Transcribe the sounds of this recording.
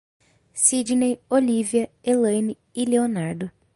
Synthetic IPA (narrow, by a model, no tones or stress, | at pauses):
sid͡ʒnejoliviɐelɐ̃jnɪːleonaɾd̪ʊ